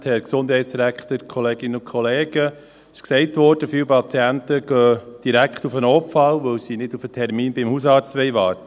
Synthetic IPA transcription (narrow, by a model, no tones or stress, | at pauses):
tʰhɛɾksʊndhɛɪtsd̥iɾækχtəɾkʰχɔleːɡ̥ɪnəʊnkʰχɔleːɡə | ɪʃksɛɪtʋɔɾd̥əfɪwpʰɑt͡siæntəɡ̥œːd̥iɾækχtufənɔpfɑlʋəwsiːnɪdufətʰɛɾmiːnbɪmhusɑːɾt͡stʋɛɪʋɑːɾtə